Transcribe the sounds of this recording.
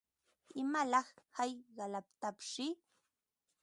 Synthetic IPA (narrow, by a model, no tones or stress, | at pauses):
ɪmalɑχhajɢɑlap̚t̪apʃɪ